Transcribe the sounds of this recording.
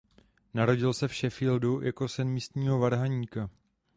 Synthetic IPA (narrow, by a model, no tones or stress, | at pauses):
naɾo̞ɟɪlsɛfʃɛfiːldujʔako̞sɛnmiːst̪ɲiːɦo̞vaɾɦaɲiːka